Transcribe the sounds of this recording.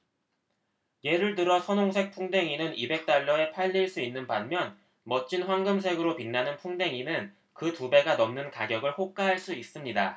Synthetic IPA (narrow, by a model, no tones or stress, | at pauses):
je̞ɾɯɭt̬ɯɾʌsʰʌnoŋsʰe̞k̚pʰuŋde̞ŋinɯnibe̞k̚t͈aɭːʌe̞pʰaʎːiɭs͈uinːɯnpanmjʌn | mʌt͡ɕ͈inɸwanɡɯms̬ʰe̞ɡɯɾopinːanɯnpʰuŋde̞ŋinɯn | kɯtube̞ɡanʌmnɯnkaɡjʌɡɯɭɸok̚k͈aɦaɭs͈uis͈ɯmɲida̰